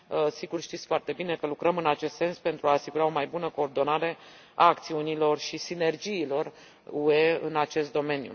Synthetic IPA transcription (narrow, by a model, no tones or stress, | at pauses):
siɡurʃt̪it̪sʲfoart̪e̞bine̞kəlukɾəmɨnat͡ʃe̞st̪se̞nspe̞nt̪ɾuaːsiɡuɾao̞majbunəko̞ːrd̪o̞naɾe̞ | aːkt̪siunilo̞rʃisine̞rd͡ʒiːlo̞r | ue̞ɨ̰nat͡ʃe̞st̪d̪o̞me̞njṵ